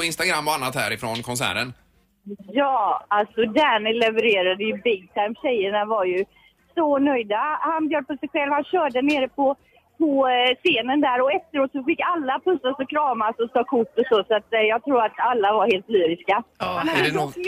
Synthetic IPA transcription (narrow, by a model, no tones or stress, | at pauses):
ɔɪnst̪aɡɾamːɔanːat̪hæ̰ːɾɪfɾɔnkʰɔnsæ̰ːɾən | jɑːalsɔd̪æːnɪlɛvəɾeːɾad̪əjɵbɪɡ̪̚t̪ʰajmɕɛjːəɳavaɾjɵ | sɔnœjd̪ahanbjœːɖəpɔsɛjɧɛlvhanɕœːɖəneːɾəpʰɔ | pʰɔseːnənd̪æːɾɔɛft̪əɾoːt̪sɔfɪkːalːapʰɵsːasɔkʰɾɑːmasɔt̪ʰɑːkʰʊʈːɔsɔːsat̪jɑːɡ̚t̪ʰɾuːɾat̪alːavaɾheːlt̪lyːɾɪskaɛnaɛ